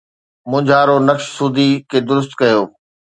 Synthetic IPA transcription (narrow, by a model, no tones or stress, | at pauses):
mʊ̃d͡ʑʱaːɾonɐkʃsuːd̪ʱikʰeːd̪ʊɾʊst̪̚kɐjoː